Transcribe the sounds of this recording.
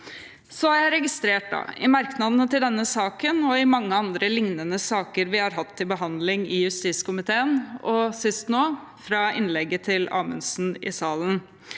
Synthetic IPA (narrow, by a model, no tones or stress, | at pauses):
sɔhæɾjæɪɾɛɡɪst̪ɾeːʈ̚d̪ɑ̰ɪmɑɾknɑd̪ənət̪ɪld̪ɛnːəsɑːkənɔɪmɑŋːəɑnd̪ɾəlɪŋnənəsɑːkəɾʋɪhɑɾɦɑt̪ʰːɪbəɦɑnd̪lɪŋɪjʉst̪iːskʊmɪt̪ʰeːənɔsɪst̪noː | fɾɑɪ̰nlɛɡət̪ʰɪlɑ̰ːmə̰nsn̩ɪ̰sɑːlən